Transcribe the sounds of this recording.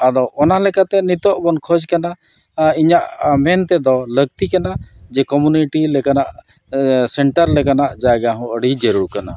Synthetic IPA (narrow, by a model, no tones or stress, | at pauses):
ad̪ɔɔnaɦlɛkat̪ɛnit̪ɔʔbɔnkʰɔd͡ʒkana | iɲaʔmɛnt̪ɛd̪ɔləɡt̪ikanad͡ʒɛkɔmjuniʈilɛkanaʔ | sɛɳʈəɾlɛkanaʔd͡ʒaɡaɦũəɽid͡ʒəɾuɽkana